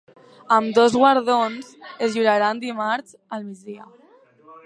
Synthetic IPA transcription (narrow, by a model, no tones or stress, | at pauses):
əmd̪ozɣwaɾðonzezʒuɾaɾand̪imaɾz | əlˠmid͡zðiə